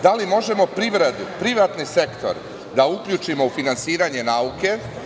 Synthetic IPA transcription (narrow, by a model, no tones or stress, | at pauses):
d̪alimo̞ʒe̞mo̞pɾiʋɾed̪upɾiʋat̪nise̞kt̪o̞̰ɾ | d̪aukʎut͡ʃimo̞ufinansiːɾaɲe̞nauke̞